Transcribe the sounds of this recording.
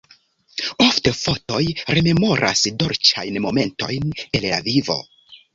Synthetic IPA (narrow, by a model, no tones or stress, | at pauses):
o̞fte̞fo̞to̞jɾe̞me̞mo̞ɾʔa̰sdo̞ɾt͡ʃajnmo̞me̞nto̞̰jne̞lːavivo̞̰